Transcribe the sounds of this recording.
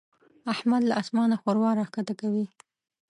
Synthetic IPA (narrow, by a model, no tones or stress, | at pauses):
ahmad̪laʔasmɑnaxoɾwɑɾɑxkat̪akawi